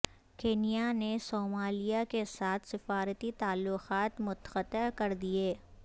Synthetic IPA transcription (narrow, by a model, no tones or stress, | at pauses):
keːnijanesoːmaːlijakesaːt̪ʰsɪfaːɾət̪it̪aːlːʊqaːt̪mʊt̪ə̥xət̪ːəkɐɾd̪ieː